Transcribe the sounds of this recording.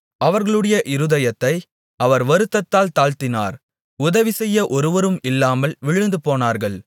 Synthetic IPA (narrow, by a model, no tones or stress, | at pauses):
ɐʋɐɾɣɐɭɯɽɐjɐʔɪɾɯðɐjɐt̪ːɐɪ | ɐʋɐɾʋɐɾɯt̪ːɐt̪ːaːlt̪aːɭt̪ɪna̰ːɾ | ʊðɐʋɪsɛjːɐʔɔɾɯʋɐɾɯmɪlːaːmɐlʋɪɻɯnd̪ɯpoːnaːɾɣɐɭ